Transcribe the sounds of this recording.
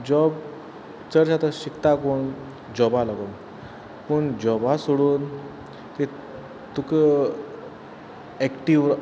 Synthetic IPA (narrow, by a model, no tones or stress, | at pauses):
d͡ʑɔb | t͡səɾɕat̪əɕikt̪akoɳ | d͡ʑɔbalɔɡon | pəɳd͡ʑɔbasoɽuːn | t̪e | t̪ukə | ɛkʈiʋ